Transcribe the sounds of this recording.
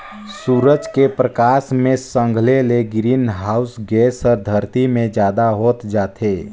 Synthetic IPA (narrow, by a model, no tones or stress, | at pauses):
suːɾəd͡ʒkepɾəkaːsmẽsə̃ŋɡʱleleɡɾiːnɦaːʊsɡɛːsɔːɾd̪ʱəɾt̪imẽd͡ʒjaːd̪aɦoːt̪d͡ʒaːt̪ʰeː